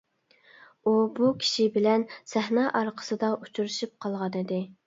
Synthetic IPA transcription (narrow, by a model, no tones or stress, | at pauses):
ubukʲʰi̥ʃibɪlɛnsɛhnɑːʔɑɾqʰə̥sɨd̪ɑʔut͡ʃʰuɾɨʃip̚qʰɑlˠʁɑnɪd̪ɪ